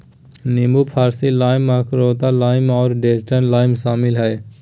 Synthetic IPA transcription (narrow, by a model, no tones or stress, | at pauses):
neːmupʰaːɾsilaːɪməkʰɾoːt̪alaːɪmɔːɾɖeːsʈənlaːɪmsaːmɪlɦɛː